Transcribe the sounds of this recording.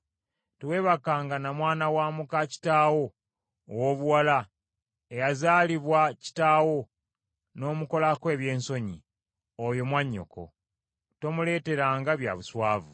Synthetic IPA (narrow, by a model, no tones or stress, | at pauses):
tuwe̞ːβakaːŋɡanamwaːnawaːmukaci̥taːwo̞ː | wo̞βuwala | ejazaːliβwaci̥taːwo̞ | no̞ːmuko̞lakwe̞ːβje̞ːnso̞ɲḭ | ojo̞mwaɲːo̞̰ko̞̰ | to̞mule̞ːte̞ɾaːŋɡaβja̰βuswaːvu